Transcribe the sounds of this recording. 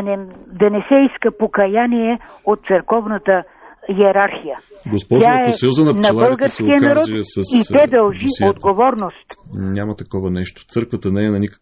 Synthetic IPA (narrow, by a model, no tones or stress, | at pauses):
nɛd̪ɐnɛsɛiskɐpokɐjaniɛot̪̚t̪səɾkɔvnɐt̪ə | jɛɾaɾxijaɡospɔʒʲaɛsjɔzɐnɐnɐlˠbəlˠɡɐɾsijənaɾɔt̪sɐsiɛd̪ɐlˠʒiod̪ɡovɔɾnost̪nʲamɐt̪ɐkɔvɐnɛʃt̪o̥t̪sɤɾkvət̪ənɛːnɐnikə